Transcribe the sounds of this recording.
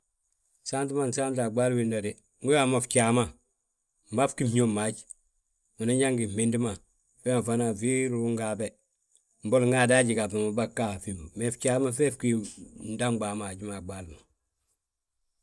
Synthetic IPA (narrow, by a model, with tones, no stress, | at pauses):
sa˦nti˦ma˦˨n˨sa˦nta˨ɡ͡ba˦lmi˨nda˨ɾi˨ | ŋɡu˦ja˨mo˨ft͡ʃa˨ma˦ | m˨ba˦fki˦mi˦ɲo˦ma˨˦d͡ʒ | mu˨na˦ɲa˦ŋɡi˨me˦ndi˦ma˨ | fe˦ma˨fa˦na˨vi˦ɾu˨u˦ŋɡa˨be˨ | m̩˨bo˦lŋɡa˦˨da˦ɟi˨ɡa˨bi˨mu˨ba˦kːa˨fi˨mbu˨me˨ft͡ʃa˦ma˦fɛ˦fki˦n˦da˦mɡ͡ba˨ma˨ɟi˦ma˨ɡ͡ba˦lma˨